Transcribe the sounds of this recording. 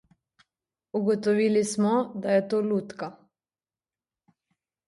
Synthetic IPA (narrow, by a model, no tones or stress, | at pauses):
uɡɔt̪ɔʋiːlismɔd̪ajɛt̪oːluːt̪ka